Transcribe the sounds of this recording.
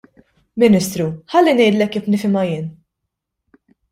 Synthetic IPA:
mɪnɪst̪ɾuħɐlːinɛjd̪lɛkːiːfnɪfɪmɐjɪːn

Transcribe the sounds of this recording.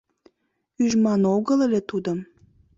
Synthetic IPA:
yʒmɑnoɣəlelʲet̪ud̪əm

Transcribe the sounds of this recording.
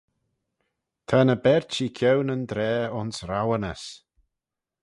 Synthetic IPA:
t̪ʰanəbɛɹt͡ʃiːkʰjɛwnənd̪ɾɛːʊnsɾawənəs

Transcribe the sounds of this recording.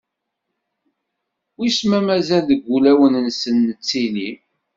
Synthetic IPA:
wismæmæzælðəɡʷːulæwənənsənːət͡sːini

